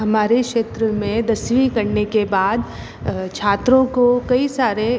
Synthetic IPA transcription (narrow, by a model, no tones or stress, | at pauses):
ɦɐmaːɾekʃeːt̪ɾəmẽd̪ɐsʋikɐɾnekebaːd̪ | t͡ʃʰaːt̪ɾõkokɐisaːɾe